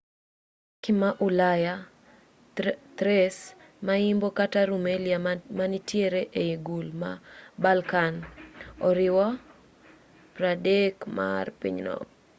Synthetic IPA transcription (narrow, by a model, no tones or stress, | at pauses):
kɪmaʔʊlaja | t̪ɾɛs | maɪmbokataɾumeliamanitjeɾeʔeiɡulma̰balkanɔɾɪwa | pɾadekma̰rpḭɲnɔ̰k